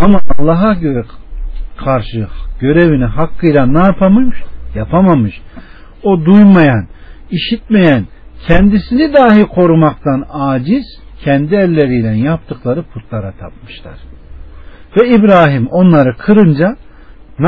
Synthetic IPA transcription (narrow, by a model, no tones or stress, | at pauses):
amaalˠːaɦaø | kʰaɾʃɯɟ̥ø̞ɾeviniɦakːɯjlˠanaːpʰamɯʃjapʰamamɯʃ | o̞d̪ujmajaniʃit̪̚mejæncʰɛnd̪isinid̪aːɦiɾkʰo̞ɾumakt̪anaːd͡ʒiz̥cʰɛnd̪iælʲːe̞ɾijlænjap̚t̪ʰɯklˠaɾɯpʰut̪lˠaɾat̪ʰa̰p̚mɯ̥ʃlˠa̰ɾ̥ | vɛibɾaːɦimo̞nlˠaɾɯkʰɯɾɯnd͡ʒa | n